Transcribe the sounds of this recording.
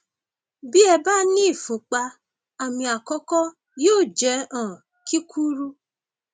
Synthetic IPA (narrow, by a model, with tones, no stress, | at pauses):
bi˦ɛ˧ba˦nĩ˦˨fũ˨k͡pa˧ | a˨mĩ˧a˨kɔ˦kɔ˦ | joː˦˨d͡ʒɛ˨˦ɔ̃˨ | ki˦kʰu˦ɾu˦